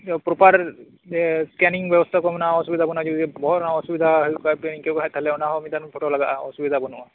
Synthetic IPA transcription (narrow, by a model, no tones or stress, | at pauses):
pɾɔpaɾ | skɛniŋbjɔbɔst̪ʰakɔmɔnaɔsubid̪ʱabɔnad͡ʒud̪bɔɦɔnaɔsubid̪ʱaɦɔjkapɛniŋkekaɦat̪ʰalɛɔnaɦɔmid̪anpʰɔʈɔlaɡaʔaɔ̰subid̪ʱabɔnuʔa